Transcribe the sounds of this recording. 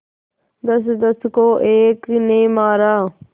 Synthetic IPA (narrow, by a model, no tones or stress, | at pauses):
d̪əsd̪əskoːʔeːknẽːmaːɾaː